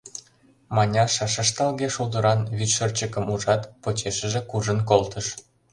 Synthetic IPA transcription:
mɑnʲɑʃɑʃəʃt̪ɑlɣeʃud̪ə̆ɾɑnβyt̪ʃərt͡ɕəkə̆muʒɑt̪pot͡ɕeʃəʒĕkuʒənkolt̪əʃ

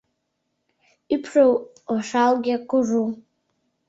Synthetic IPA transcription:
ipʰʂow | aʂalɡʲiakʷʊru

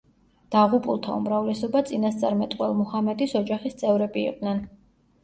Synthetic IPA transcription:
d̪̥aʁupʼulˠt̪ʰaṵmɾavlɛsɔbat̪sʼinast̪sʼaɾmɛt̪ʼqʼwɛlˠmɔhamɛd̪isɔd͡ʒaχist̪sʼɛvɾɛbḭːqʼd̪nɛn

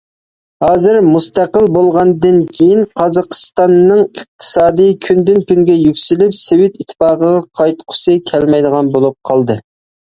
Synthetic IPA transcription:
hɑːzɨɾmust̪æqəlˠbolˠʁɑnd̪ɨnkʲʰejinqʰɑzɑqʰə̥st̪ɑnːɨŋəq̚t̪ʰɨ̥sɑːd̪ɨjkʲʰynd̪ynkʲyŋɡʲɛjykʲsɪlypsewɪt̪it̪ʰːfɑːqəʁɑqʰɑjt̪qʰʊ̥sɨkʲʰɛlmɛjd̪əʁɑnbolˠup̚qʰɑlˠd̪ɨ

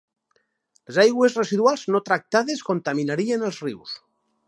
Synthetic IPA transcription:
lezajɣwezresiðualˠznot̪ɾak̚t̪aðeskont̪aminaɾienəlˠzriws

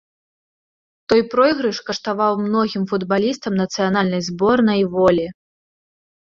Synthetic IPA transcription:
t̪ɔjpɾɔjɣɾɨʂkɐʂt̪avawmnɔɣʲimfud̪balʲist̪ɐmnɐt̪sɨjanalʲnɐjzbɔrnɐjvɔlʲi

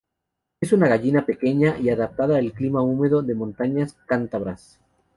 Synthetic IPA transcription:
esunaɣaʝinape̞ke̞ɲaʔiaðap̚t̪aðaːlklimaume̞ðoðe̞mõnt̪aɲaskant̪aβɾas

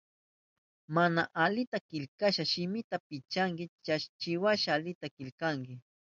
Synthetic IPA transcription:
manaʔalɪt̪akɪʎkaʃaʃɪmɪt̪apɪt͡ʃaŋkɪt͡ʃaʃt͡ʃɪwaʃalɪt̪akɪlkaŋkɪ

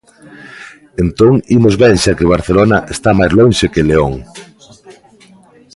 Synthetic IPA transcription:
ent̪oŋimozβɛnʃakeβ̞aɾθelonɐʔest̪amajzloŋʃekeleoŋ

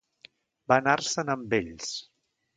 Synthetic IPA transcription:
banarsənəmbeʎs

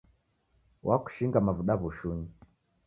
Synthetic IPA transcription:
wʔaku̥ʃiŋɡamavuɗaβuʃuɲi

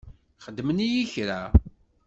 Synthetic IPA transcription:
χəd̪ːmənijiçɾa

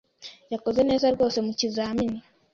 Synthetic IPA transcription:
jako̞zene̞ːzaɾɡo̞ːse̞mucizaːmini

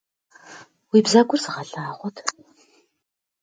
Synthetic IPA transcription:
wiːbzaɡʷʼʊrzɨʁɐɬaːʁʷɔtʰ

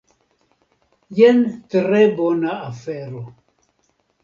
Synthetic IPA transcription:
jɛntɾɛbɔnaafɛɾɔ

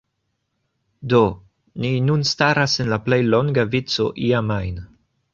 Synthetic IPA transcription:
do̞ | ninunstaɾase̞nlaple̞jlo̞ŋɡavit͡so̞̰ʔiamajn

